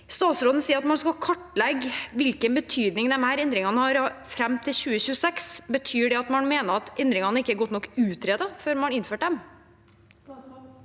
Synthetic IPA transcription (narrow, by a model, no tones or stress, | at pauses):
st̪ɑːt̪sɾoːd̪n̩siːəɾɑt̪mɑnskɑkʰɔʈːlɛɡʋɪlkənbət̪ʰyːd̪nɪŋd̪ɛmhæːɾɛnd̪ɾɪŋɑnəhɑɾfɾɛmːt̪ʰɪlɕʉːəɕʉːəsɛksbət̪ʰyːɖɛɑt̪mɑnmeːnəɾɑt̪ɛnd̪ɾɪŋɑnəɪkːəæɾɡɔt̪nɔkːʉːt̪ʰɾeːd̪əføːɾmɑnɪnføːʈd̪ɛm